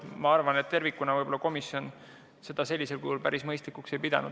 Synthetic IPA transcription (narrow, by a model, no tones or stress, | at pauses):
mɑɑrvɑnet̪ːe̞rvikːˑunɑvɤjbo̞lɑko̞misjo̞n | se̞d̪̥ɑse̞lʲːise̞lkuhulpæɾʔismɤjst̪likːukse̞jpid̪ɑ̰nṵd̪̥